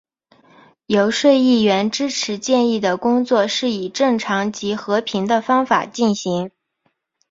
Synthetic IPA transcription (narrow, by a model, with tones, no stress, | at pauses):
jo˧˥ʊʂwe˥˧ɪi˥˩ɥɛ˧˥nʈ͡ʂɻ̩˥ʈ͡ʂʰɻ̩˧˥t͡ɕjɛ˥˧ni˥˩d̪ə˩kʊ˥ŋt͡swɔ˥˧ʂɻ̩˥˩i˨˩ʈ͡ʂɤ˥˩ŋʈ͡ʂʰɑ˧˥ŋt͡ɕi˧˥xɤ˧˥pʰi˧˥ŋd̪ə˧fɑ˥ŋfa̰˨˩t͡ɕi˥˩nɕi˧˥ŋ